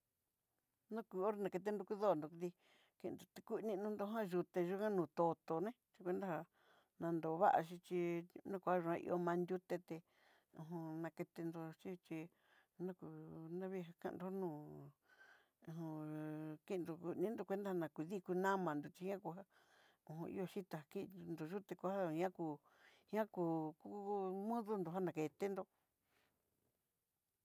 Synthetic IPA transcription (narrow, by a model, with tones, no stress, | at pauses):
nũ˦ku˧˨o˦ɾe˧nã˨ke˧t̪̬e˧˦nd̪u˧ku˦ðo˦˨nd̪o˨˧kði˧ | kḭ̃˧nd̪o˨t̪e˧ku˦˧nĩ˧nũ˧nd̪o˧ɦã˦ʒu˧t̪e˧ʒu˧kã˦nũː˨t̪o˧t̪o˧nẽ˦t͡ʃi˧kʷe˧˦nd̪a˦ha˧ | nã˧nd̪o˨˧βa˦ʔa̰˧ʃi˧t͡ʃi˧nã˦kʷha˦ʒu˧ã˧ʔḭ˧ʔo˧mã˧nd̪ʲu˦t̪e˧t̪e˧ | ũ˧ɦũ˧nã˧ke˧t̪e˧nd̪o˧t͡ʃi˦t͡ʃi˧ | nũ˦ku˧˨nã˦βi˦˧ɦa˧kã̰˧nd̪o˧˦nũː˦˨˧ | ũ˧ki˦˧nd̪o˧ku˧nĩ˦nd̪o˧kʷe˦nd̪a˦ha˧nã˧ku˧ði˦ku˧nã˦mã˨nd̪o˨t͡ʃi˧hã˦ku˧ɦa˦ | ũ˧˨ɦũ˧ʔḭ˦˧o˧ʃi˦t̪a˧ha˧ki˦˧nd̪o˨ʒu˦t̪e˧ku˧˦a˦˨˦ã˦kuː˧˨ | hã˦kuː˧˨ku˦mũ˦ðu˦nd̪o˨a˦nã˨ke˨t̪e˦nd̪o˧